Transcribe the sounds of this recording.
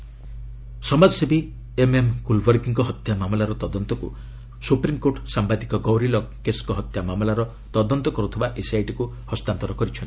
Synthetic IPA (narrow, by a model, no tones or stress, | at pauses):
sɔmad͡ʒɔsebi | ememkulbɔɾkiŋkɔɦɔt̪jamamɔlaɾɔt̪ɔd̪ɔnt̪ɔkṵ | supɾimkoʈsambad̪ikɔɡɔwɾilɔkkːeskɔɦɔt̪jamamlaɾɔ | t̪ɔd̪ɔnt̪ɔkɔɾut̪ʰibaʔesajʈiku | hɔst̪ant̪ɔɾɔkɔɾit͡ʃʰɔnt̪i̥